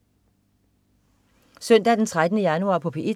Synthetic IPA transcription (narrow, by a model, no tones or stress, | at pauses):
sœn̰d̥æd̥ent͡sʰʁad̥ənəjænuɑ̰̈ːpʰɒ̽pʰeʔi